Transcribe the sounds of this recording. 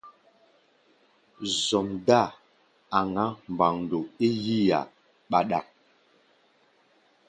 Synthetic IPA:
zɔ˨mda˦˨ | a˨ŋa˦m˨ba˨ŋn˨do˨e˦ji˦ja̰˨ | ɓa˦ɗa˦˨

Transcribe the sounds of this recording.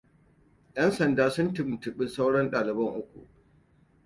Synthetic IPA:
jɐ˦nsɐ˨ndaː˦sʊ˦ntɪ˦m˨tɪ˨ɓɪ˦sa˦wɽɐ˦nɗaː˨lɪ˨bɐ˦ŋʔʊ˦kʷṵ˨ʔ

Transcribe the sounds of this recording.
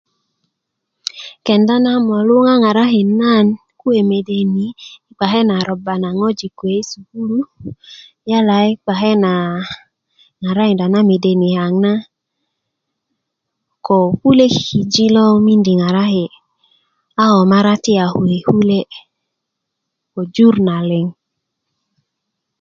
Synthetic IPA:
ke˨nda˦na˦mɔ˨lu˦ŋa˦ŋa˨ɾa˦ɦi˨na˦˨n | ku˦e˨me˨de˨ni˨˦i˦k͡pa˨ɦe˦na˨ɾɔ˨ba˨na˨ŋo˦d͡ʒi˨kʷe˨˦i˦su˨ɡu˦lu˦ | ja˦la˨i˦k͡pa˨ɦe˦na˨ | ŋa˨ɾa˦hi˨nda˨na˦me˨de˨ni˨ha˨ŋna˦ | ko˨hu˦le˦ki˨d͡ʒi˦lɔ˦mi˦ndi˨ŋa˨ɾa˦he˨ | a˦ɔ˨ma˦ɾa˦ti˦a˨hu˨e˨hu˦le˦ | ko˨d͡ʒu˦ɾna˨le˨ŋ

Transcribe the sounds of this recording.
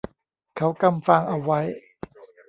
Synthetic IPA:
kʰa˦˥wka˧mfa˧ŋʔa˧wːa˦˥j

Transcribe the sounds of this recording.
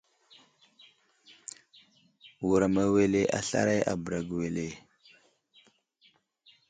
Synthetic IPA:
wu˨ɾa˨ma˨we˨le˦ʔa̰˨ɬa̰˦ɾa˦jʔa̰˨bə˨ɾa˨ɡi˨we˨le˨

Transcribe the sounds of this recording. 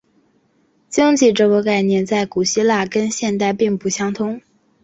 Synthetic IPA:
t͡ɕi˥ŋt͡ɕʰi˥˩ʈ͡ʂɤ˥˩kə˧˥ka˥˩ɪnjɛ˥˧nt͡sa˥˩ɪku˨˩ɕi˥la˥˩kə˥nɕjɛ˥˧nt̪a˥˧ɪpi˥˧ŋpu˥˩ɕjɑ˥ŋt̪ʰʊ˥ŋ

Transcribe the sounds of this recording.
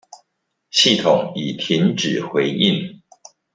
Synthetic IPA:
ɕi˥˩t̪ʰʊ˨˩ŋi˨˩t̪ʰi˧˥ŋʈ͡ʂɻ̩˨˩xwe˧˥ɪʔi˥˩n

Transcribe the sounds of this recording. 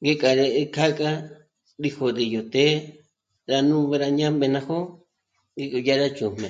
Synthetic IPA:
ŋɡe˦kʼa˨ɾe˧ʔkʰa˦kʼa˦ | ɾi˧ho˧d̪i˨jo˨t̪e˦ | ɾa˧nũ˦βe˧ɾa˧ɲã˦mẽ˧nã˧ho˦ | ɡe˧ku˧ja˦ɾa˦t͡ʃu˨m̥mḛ̃˨

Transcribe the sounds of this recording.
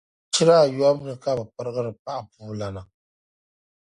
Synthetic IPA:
t͡ʃɪ˦ɾaː˦˨jɔ˦m˦nɨ˨ka˦˨bɨ˨pɨ˦ɾɨ˦ɣɨ˦ɾɨ˨pa˦ʔa˨puː˦la˨na˨

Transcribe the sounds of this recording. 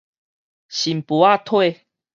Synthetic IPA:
ɕi˨mpu˨˦a˥˦˧t̪ʰwe˥˧˨

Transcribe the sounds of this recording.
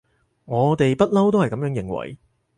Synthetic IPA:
ŋɔː˨˧t̪e˨jpɐ˥t̚lɐ˥wt̪o˥whɐ˨jkɐ˨˥jœː˨˥ŋjɪ˨˩ŋwɐ̰˨˩j

